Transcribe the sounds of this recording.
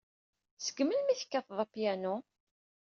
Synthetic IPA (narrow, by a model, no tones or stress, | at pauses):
sə̥ɡməlmiθə̥kːafðˤɑpjæno